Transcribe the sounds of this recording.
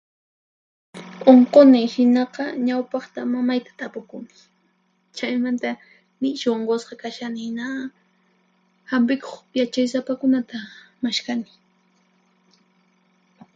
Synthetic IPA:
oɴqonɪhɪnɑqɑɲawpɑχt̪amamajt̪ḁt̪apʊkʊmɪ | t͡ʃajmant̪a | nɪʃoɴɢosqɑkaʃanɪna | hamp̬ɪkoχjat͡ʃajsapakʊnat̪amaʃkanɪ̥

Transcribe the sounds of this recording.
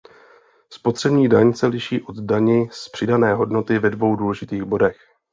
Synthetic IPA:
spo̞t̪r̝̥ɛbɲiːdaɲsɛlɪʃiːʔo̞d̪daɲɪspr̝̥ɪdanɛːɦo̞dno̞t̪ɪvɛdvo̞wduːlɛʒɪt̪iːɣbo̞dɛx

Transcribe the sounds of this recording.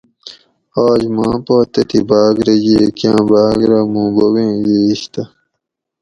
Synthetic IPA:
aːd͡ʑmãːpoːt̪ɐt̪ibaːɡɾɐd͡ʑeːkjãːbaːɡɾɐmũːboɡẽːɡeiɕt̪ɐ

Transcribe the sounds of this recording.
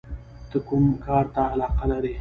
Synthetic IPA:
t̪əkʊmkɑːɾt̪aːlɑːqalaɾe

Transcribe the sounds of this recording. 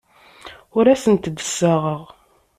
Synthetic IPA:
ʊɾæsənt̪d̪ə̥sːaʁəʁ

